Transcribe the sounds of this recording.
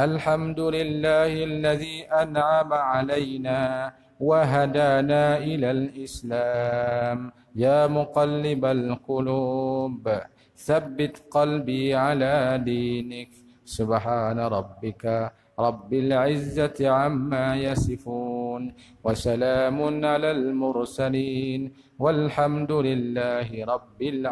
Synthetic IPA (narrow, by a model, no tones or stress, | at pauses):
ʔalħamd̪ʊlɪlːaːhalːaðiːʔanʕamaʕalajnaː | waɦad̪aːnaːʔɪlalʔɪslaːm | jaːmʊqɑlːɪbalqʊluːb | θabːɪt̪qɑlbiːʕalaːd̪iːnɪk | sʊbħaːnaɾˤɑbːɪka | ɾˤɑbːɪlʕɪzːat̪ʕamːaːjasɪfuːn | wasalaːmʊnʕalaːlmʊɾsaliːn | walħamd̪ʊlɪlːaːɦɪɾˤɑbːɪl